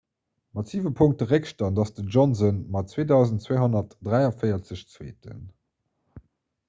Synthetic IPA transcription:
mɑtz̥iːvəpʰʊŋk̚təʁekʃtɐndɑsdəʒɔnzənmɑtt͡sweːdɑʊzəntt͡sweːɦonɐtd̥ʁæɪɑfəɪɐt͡səɕt͡swḛːtə̰n

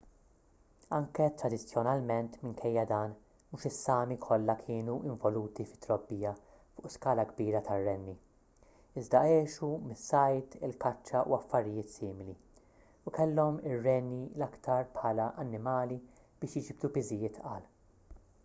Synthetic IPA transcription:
ɐŋkɛt̪ɾɐd̪ɪt͡sːjɔnɐlmɛnt̪mɪŋkʰɛjːɐd̪ɐːn | muːʃɪsːɐːmikʰɔlːɐkʰɪːnuʔɪɱvɔluːt̪ifɪ̥t̪ːɾɔbːiːjɐ | fʊ̰ːʔskɐːlɐɡbiːɾɐt̪ɐrːɛnːi | ɪzd̪ɐɛːʃumɪsːɐjt̪ɪ̰lkɐt͡ʃːɐʔṵɐfːɐɾɪjɪːt̪siːmɪli | ukɛlːɔmɪrːɛnːilɐkt̪ɐɾpħɐːlɐʔɐnːɪmɐːli | b̥ɪːʃjɪd͡ʒɪb̚d̪upɪzɪjɪːt̪ʰɐːl

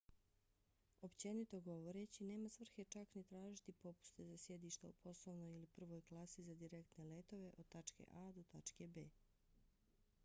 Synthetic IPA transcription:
o̞pt͡ɕe̞nit̪o̞ɡo̞ʋoɾet͡ɕine̞ːmasʋr̩xe̞t͡ʃaknit̪ɾaːʒit̪ipo̞pu̥st̪ezasje̞d̪iːʃt̪aupʰo̞slˠoʋnojilipr̩ʋojklˠaːsizad̪iɾe̞kt̪ne̞le̞t̪o̞ʋe̞ʔod̪̚t̪at͡ʃkḛʔad̪ot̪at͡ʃkebeː

